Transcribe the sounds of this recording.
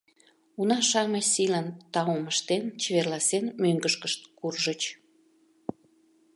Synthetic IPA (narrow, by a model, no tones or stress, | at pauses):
unɑʃɑməsilənt̪ɑoməʃt̪ent͡ɕeβerlɑsenmøŋɡəʃkəʃt̪̚kurʒət͡ɕ